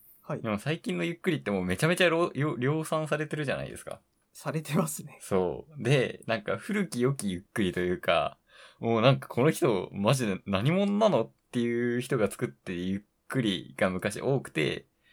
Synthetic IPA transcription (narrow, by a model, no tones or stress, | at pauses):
haid̪e̞mo̞saikʲĩnːo̞jɯkːɯɾʲit̪ːe̞moːme̞t͡ɕame̞t͡ɕaɾojoɾʲo̞ːsãɰ̃saɾe̞t̪e̞ɾɯʑa̰na̰ḭd̪e̞sɨ̥ka̰ | saɾe̞t̪emasɨneso̞ːd̪e̞nãŋka̰ɸɯ̟ɾɯ̟kʲijo̞kʲijɯ̟kːɯ̟ɾʲit̪o̞jɯ̟ːka̰ | moːnãŋkḁkʰo̞no̞çi̥t̪o̞maʑinaɲ̟imõ̞nonano̞t̪ːe̞jɯ̟ːçi̥t̪o̞ɡat͡sɨ̥kɯ̟t̪ːejɯ̟kːɯɾʲḭɡ̥amɯ̟kaɕḭʔo̞ːkɯ̟̥t̪e̞̰